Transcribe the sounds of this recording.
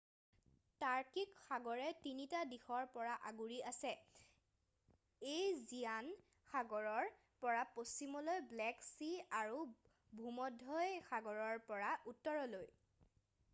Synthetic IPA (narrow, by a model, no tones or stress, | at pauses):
taɹkikxaɡɔɹɛtinitadixɔɹpɔɹaʔaɡuɹiasɛ | ejzijan | xaɡɔɹɔɹ | pɔɹapostimɔlojblɛksiaɹu | bʱumɔdʱɔjxaɡɔɹɔɹpɔɹaʔutːɔɹɔloj